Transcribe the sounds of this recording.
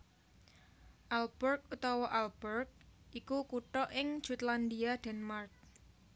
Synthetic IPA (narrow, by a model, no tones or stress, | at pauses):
ʔalb̥ɛrk̚ut̪ɔwɔʔalb̥ərk̚ʔikukuʈɔʔɪŋ̥d͡ʒ̥ut̪land̪iad̪̥ɛ̤nmark̚